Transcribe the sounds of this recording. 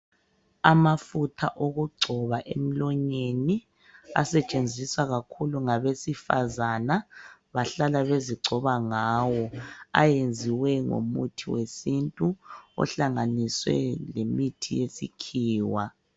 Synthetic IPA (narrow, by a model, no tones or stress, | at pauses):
amafutʰaʔoɣuɡ͡ǀʱɔβaʔem̩lɔɲeni | a̰sɛt͡ʃʼend͡zʱiswaɣakʰuluŋaβesifa̰zanaβaɬalaβeziɡ͡ǀʱɔβaŋaːwɔa̰jend͡zʱiwɛŋo̰mutʰiwesintʼuɔ̰ɬaŋaniswɛ̰lemitʰijesḭkʰiːwa